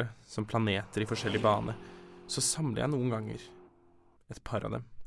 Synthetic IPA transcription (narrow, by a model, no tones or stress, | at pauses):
əsɔmpʰlɑneːt̪əɾɪfɔʂɛlːɪəbɑːnʔəsɔsɑmlə̰jæ̰ɪnuːənɡɑŋːə̰ɾ | ɛt̪pʰɑɾɑ̰d̪ɛ̰m